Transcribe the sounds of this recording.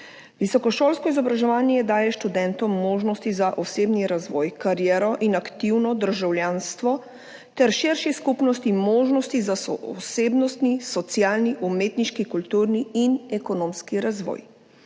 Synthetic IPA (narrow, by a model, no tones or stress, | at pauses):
ʋisɔkɔʃoːlskɔizɔbɾaʒɛʋaːnjɛd̪aːjɛʃt̪ud̪ɛnt̪ɔmːoːʒnɔst̪izaʔɔseːbniɾazʋɔːjkaɾjɛːɾɔʔinakt̪iwnɔd̪əɾʒawljanst̪ʋɔ | t̪ɛɾʃiɾʃiskupnɔst̪imoːʒnɔst̪izasɔseːbnɔst̪nisɔt̪sjaːlniʔumeːt̪niʃkikult̪uːɾniinɛkɔnoːmskiɾazʋɔ̰ːj